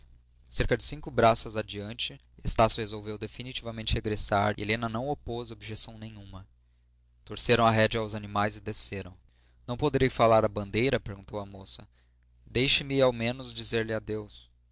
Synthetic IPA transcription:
seɾkɐd͡ʒɪsĩŋkʊbɾasɐzad͡ʒiɐ̃nt͡ʃɪ | est̪asjʊhezowvewd̪efinit͡ʃivɐmẽnt͡ʃɪheɡɾesa̰ɾʔḛlẽnɐnɐ̃w̃opozobʒesɐ̃w̃nẽj̃ũmɐ | t̪oɾseɾɐ̃w̃ɐɦɛd͡ʒɐawzanimajzɪd̪eseɾɐ̰̃w̃ | nɐ̃w̃pod̪eɾejfalaɾɐbɐ̃nd̪ejɾɐpeɾɡũnt̪owɐmosɐ | d̪ejʃɪmɪawmẽnʊzd͡ʒizeɾlɪad̪ews

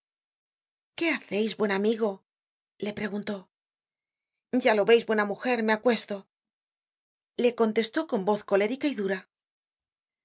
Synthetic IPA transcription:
ke̞aθe̞jzβwe̞namiɣo̞ | le̞pɾe̞ɣunt̪o̞ | ɟ͡ʝalo̞βe̞jzβwe̞namuxe̞ɾme̞akwe̞st̪o̞ | le̞ko̞nt̪e̞st̪o̞ko̞mbo̞θko̞le̞ɾikaiðuɾa

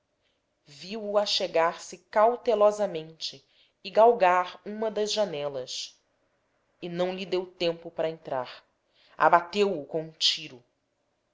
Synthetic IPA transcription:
viwuaʃeɡaɾsɪkawt̪elɔzɐmẽnt͡ʃɪː | ɡawɡaɾũmɐd̪ɐzʒanɛlɐs | ɪnɐ̃w̃lid̪ewt̪ẽmpʊpaɾɐẽnt̪ɾaɾ | a̰bat̪ewukõũt͡ʃiɾʊ

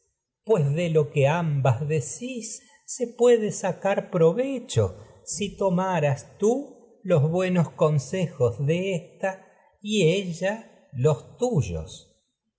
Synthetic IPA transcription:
pwezðelo̞keambazðesisː | epwe̞ðesakaɾpɾo̞βet͡ʃo̰ | sit̪o̞maɾast̪u | lo̞zβwe̞nosko̞nsexozðeest̪a | ieʒa | lo̞st̪uʒo̰s

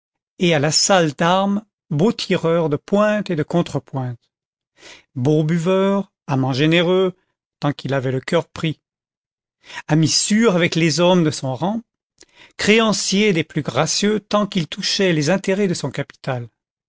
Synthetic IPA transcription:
ealasald̪aʁm | bot̪ʰiʁœʁd̪əpwɛ̃t̪ed̪əkɔ̃t̪χəpwɛ̃t̪ | bobyvœʁ | amɑ̃ʒeneʁø | t̪ɑ̃kilavɛləkʲœʁpχi | amisyʁavɛklezɔmd̪əsɔ̃ʁɑ̃ | kχeɑ̃sjed̪eplyɡʁasjøt̪ɑ̃kilt̪uʃɛlezɛ̃t̪eʁɛd̪əsɔ̃kapi̥t̪al

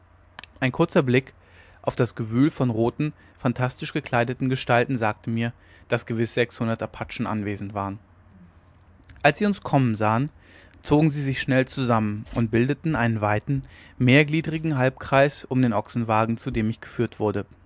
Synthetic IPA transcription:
ʔaɪnkʰʊɐt͡sɐblɪk | ʔaʊfd̥asɡ̥əvyːlfɔnʁoːtn̩ | fantʰastɪʃɡ̥əkʰl̥aɪdətn̩ɡəʃtaltn̩zaːk̚təmiːɐ | d̥asɡ̥əvɪsz̥ɛkshʊndɐtapʰat͡ʃn̩ʔa̰nveːzn̩tv̥aːʁən | ʔalsz̥iːʊnskʰɔmənzaːən | t͡soːɡŋ̩ziːzɪçʃnɛlt͡suzamənʔʊnt̚b̥ɪldətn̩ʔaɪnənvaɪtn̩meːɐɡliːdʁɪɡŋ̩ɦalp̚kʁ̥aɪsʊmdeːnʔɔksn̩vaːɡŋ̩t͡sudeːmɪçɡ̥ə̥fyːɐtv̥ʊɐdə

